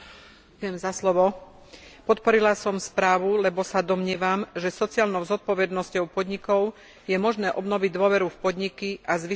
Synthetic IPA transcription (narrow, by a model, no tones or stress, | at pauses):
kjɛmzaslɔʋɔ | pɔt̪̚pɔɾilasɔmspɾaːʋulɛbɔsad̪ɔmɲɪɛʋamʒɛsɔt͡siaːlnɔʊzɔt̪̚pɔʋɛd̪nɔscɔʊpɔd̪ɲikɔʊ | jɛmɔʒnɛːʔɔbnɔʋiɟd̪ʊɔʋɛɾufpɔd̪ɲikiʔazʋi